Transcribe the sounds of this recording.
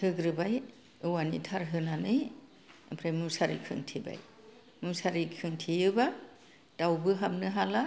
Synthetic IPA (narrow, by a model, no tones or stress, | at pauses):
ɯɡɾɯbaj | ɯwanḭtʰaɾɦɯnanɯj̰ | pʰɾajmusaɾḭkʰɯ̰ŋtʰiba̰j | musaɾikʰɯŋtʰijɯba | d̥awbɯɦamnɯɦala